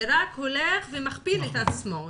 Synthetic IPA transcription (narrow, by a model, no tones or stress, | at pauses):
ɾakholeχvemaχpiletat͡smo